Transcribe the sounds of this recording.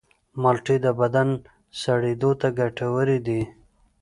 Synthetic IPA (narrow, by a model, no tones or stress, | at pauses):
malʈid̪əbad̪an | saɽid̪ot̪aɡaʈawəɾid̪i